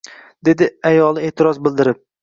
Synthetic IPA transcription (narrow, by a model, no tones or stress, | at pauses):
d̪̥e̞d̪ɪajɒlˠɪe̞ːt̪ʰɪɾɒzbɪld̪ɪɾɪp̚